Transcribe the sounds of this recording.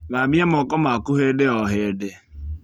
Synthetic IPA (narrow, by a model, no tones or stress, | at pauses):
βabam̩ɔkɔmakuɦedɪɔɦedɪ